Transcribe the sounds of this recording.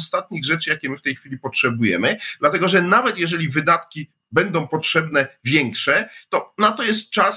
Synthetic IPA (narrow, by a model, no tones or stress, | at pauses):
st̪at̪̚ɲiɣʐɛt͡ʂɘjakʲɛmɘft̪ɛjxfʲilʲipɔtʂɛbujɛ̰mɘd̪lat̪ɛɡɔʐɛnavɛt̪jɛʐɛlʲivɘd̪at̪kʲi | bɛnd̪ɔ̃w̃pɔtʂɛbnɛvʲjɛŋkʂɛt̪ɔnat̪ɔjɛs̬t̪̚t͡ʂas